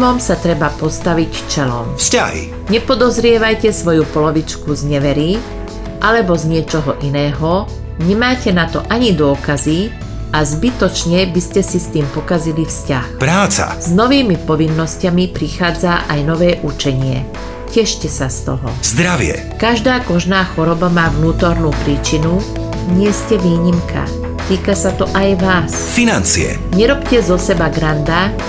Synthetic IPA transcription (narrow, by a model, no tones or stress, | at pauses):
mɔmsat̪ɾɛbapɔst̪aʋicft͡ʃɛlɔ̰mfsca̰ɦḭ | ɲɛpɔd̪ɔzɾɪɛʋajcɛsʋɔjupɔlɔʋit͡ʃkuzɲɛʋɛɾi | ʔalɛbɔzɲɪɛt͡ʃɔɦɔʔinɛːɦɔ | ɲɛmaːcɛnat̪ɔʔaɲid̪ʊɔkazi | azbit̪ɔt͡ʃɲɛbiscɛsist̪iːmpɔkazilifscaxpɾaːt͡sa̰z̥nɔʋiːmipɔʋinːɔscamipɾixaːd͡zaʔajnɔʋɛːʔut͡ʃɛɲɪɛ̰ | cɛʃcɛsast̪ɔ̰ɦɔ̰z̥d̪ɾaʋɪɛ̰ | kaʒd̪aːkɔʒnaːxɔɾɔbamaːʋnuːt̪ɔɾnuːpɾiːt͡ʃinu | ɲɪɛscɛʋiːɲimkʰa̰ | t̪iːkasat̪ɔʔajʋaːs | finant͡siɛ̰ | ɲɛɾɔpcɛzɔsɛbaɡɾand̪a